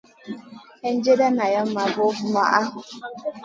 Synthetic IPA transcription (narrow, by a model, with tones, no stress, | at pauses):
e˦n̩˦d͡ʒe˦da˦na˨ja˦mːa˨bo˦bʊ˦ma˨ʔa˦ɦʊ˨